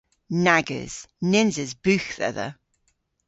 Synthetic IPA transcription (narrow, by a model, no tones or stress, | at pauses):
naɡə̰z̥nɪ̃nzɪzbʉˑxθɛ̰ðə̰